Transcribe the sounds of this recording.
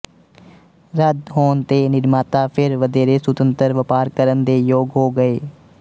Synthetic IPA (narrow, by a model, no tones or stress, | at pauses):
ɾəd̪ɦoːnt̪eːnɪɾmaːt̪aːpʰɪɾʋəd̪eːɾeːsʊt̪ənt̪əɾʋəpaːɾkəɾənd̪eːjoːɡɦoːɡəeː